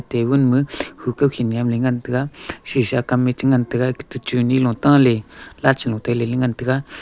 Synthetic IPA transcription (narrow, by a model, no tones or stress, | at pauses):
t̪ewənməɕʰukapɕʰinijamleŋant̪əkaɕiɕakamːet͡ɕəŋant̪əkakə̥t̪ət͡ɕuniloŋt̪aŋlelat͡ɕəloŋt̪ak̚leleŋant̪əka